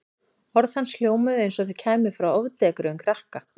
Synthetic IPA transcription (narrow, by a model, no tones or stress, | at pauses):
hɔɾðhanːsl̥joːwmʏðejns̬ɔθʏcʰɛːmʏ̥fɾawɔvt̪ɛkʏɾʏmkʰɾahka